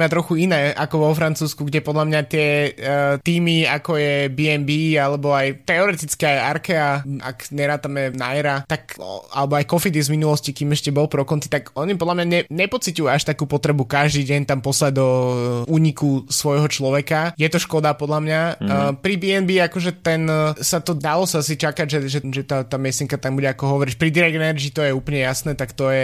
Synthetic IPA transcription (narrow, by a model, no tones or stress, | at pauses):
mat̪ɾɔxuinɛːʔakɔʋɔfɾant͡suːskuɡɟɛpɔd̪lamɲat̪ɪɛ | t̪iːmiakɔjɛbiːɛnbiːalɛbɔajt̪ɛɔɾɛt̪it͡skɛajaɾkɛaa̰kɲɛɾaːt̪amɛnaɛɾat̪aka̰lɛbɔajkɔfid̪ɛzminulɔscikiːmɛʃcɛbɔlpɾɔkɔnt̪i̥t̪aɡɔɲipɔd̪lamɲaɲɛɲɛpɔt͡sicujuaʃt̪akuːpɔt̪ɾɛbukaʒd̪iːɟɛɲt̪ampɔslaɟd̪ɔuːɲikusʋɔjɦɔt͡ʃlɔʋɛkajɛt̪ɔʃkɔd̪apɔd̪lamɲapɾibiɛnbiakɔʒɛt̪ɛnsat̪ɔd̪alɔsaasit͡ʃakaɟʒɛʒɛʒɛt̪at̪aːmɪɛsɛŋkat̪ambuɟɛakɔɦɔʋɔɾiʃpɾid̪iɾɛɡɛnɛɾd͡ʒit̪ɔjɛuːplɲɛjasnɛt̪akt̪ɔjɛ